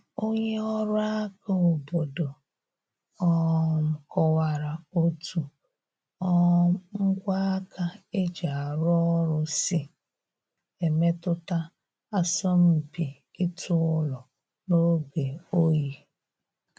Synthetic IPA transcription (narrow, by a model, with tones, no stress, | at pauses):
o˦ɲe˦ɔ˦ɾʊ˦a˦ka˨o˨bo˨do˨ | ɔ˦˨m̩˨kɔ˦wa˨ɾa˨o˦tu˨ | ɔ˦ŋ̩˦ɡʷa˦a˦ka˦e˦d͡ʒa˨a˨ɾʊ˦ɔ˦ɾʊ˦si˦ | e˨me˦tʊ˦ta˦ | a˦sɔ˦m̩˨pi˨ | ɪ˦tʰʊ˦lɔ˨ | no˦ɡe˨o˦ji˦